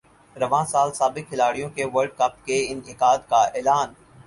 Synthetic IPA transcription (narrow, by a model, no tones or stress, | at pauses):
ɾɐʋãːsaːlsaːbɪk̚ʰːɪlaːɽijõkeʋɐɾɖ̚kɐp̚keɪ̃nɪkaːd̪kaɛːlaːn